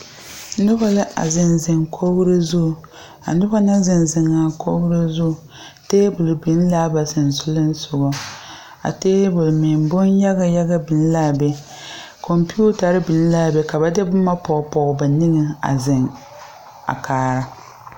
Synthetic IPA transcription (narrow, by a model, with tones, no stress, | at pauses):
nʊ˦ba˦lɨ˦ʔa̰˨zɪ˨nzɪ˨ŋkʰo˦ɣɾɨ˦zʊ˦˨ | a̰˨nʊ˦ba˦na˦zɪ˨nzɪ˨ŋa˨kʰo˦ɡɾɨ˦zʊ˦˨ | teː˦bʊ˨lbɪ˨n˦la˦ba˨sɨ˨n˨sʊ˦lɨ˦n̩˦sʊ˨ɡɔ˨ | a̰˨teː˦bʊ˨lmɪ˨mbʊ˦nja˦ɡa˨ja˦ɡa˦bɪ˨n˦laː˦˨bɛ˦ | kʰo˨mpi˦u˦ta˨ɾɨ˦bɪ˨n˦la˦˨bɛ˨ka˨ba˦de˦bʊ˦ma˦pɔ˨pɔ˨ɣba˨nɪ˦ɡɨ˨a̰˨zɪ˨ŋ | a̰˨kʰaː˨˦ɾa˦